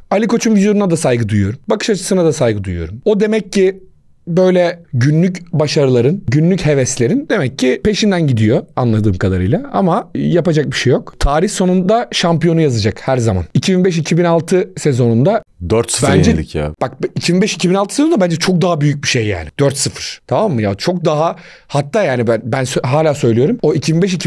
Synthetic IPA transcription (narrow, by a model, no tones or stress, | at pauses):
alʲikʰo̞t͡ʃʰumvid̪jo̞nunad̪asajɡɯd̪ujujo̞ɾumbakʰɯ̥ʃat͡ʃʰɯ̥sɯnad̪asajɡɯd̪ujujo̞ɾumo̞d̪e̞mɛcʰːi | bø̞jlʲɛɟynlʲycbaʃaɾɯlˠaɾɯnɟynlʲyche̞vɛst̪lʲe̞ɾind̪e̞mɛcːipe̞ʃind̪ænɟid̪ijo̞a̰nlˠad̪ɯːmkʰad̪aɾɯ̰jlˠaa̰majapad͡ʒak̚biʃejo̞kt̪ʰaːɾiçso̞nund̪aʃampijo̞nujazad͡ʒakhæɾzama̰nicʰibinbɛʃicʰibinalˠt̪ʰɯse̞zo̞nund̪ad̪øɾt̪sfbænd͡ʒɛlʲḭcja̰b̥ak̚icʰibinbɛʃicʰibinalˠt̪ɯ̥sezond̪abænd͡ʒɛt͡ʃʰo̞k̚d̪aɦabyjyc̚biʃejːa̰ːnɪd̪̥øɾt̪sɯfɯɾ̥t̪ʰamamːɯjaːt͡ʃʰo̞k̚d̪aɦa | hat̪ʰːaːjaːnibænbænsøɦaːlʲaːsø̞jlʲijo̞ɾumo̞icʰibinbɛʃ̬icʰi